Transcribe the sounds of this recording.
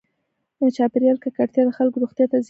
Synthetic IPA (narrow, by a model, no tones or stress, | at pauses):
d̪ət͡ʃɑpɪɾjɑlkakaʈt̪jɑd̪əxalkoɾuxt̪jɑt̪az